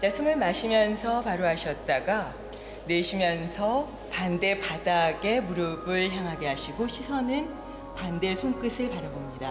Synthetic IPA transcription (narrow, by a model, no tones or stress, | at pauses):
t͡ɕasʰɯmɯɭmaɕʰimjʌnsʰʌpaɾoɦaɕʰʌt̚t͈aɡa | ne̞ɕʰimjʌnsʰʌ | pande̞padaɡe̞muɾɯbɯɭçjaŋɦaɡe̞ɦaɕʰiɡoɕʰisʰʌnɯn | pande̞sʰoŋk͈ɯsʰɯɭpaɾjabomɲida